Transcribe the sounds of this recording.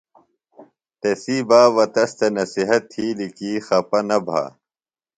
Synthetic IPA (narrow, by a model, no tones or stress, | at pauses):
t̪esiːbaːʋɐt̪ɐst̪ɐnɐsiɦɐt̪ʰːiːlikiːxɐpɐnɐbʱa̰ː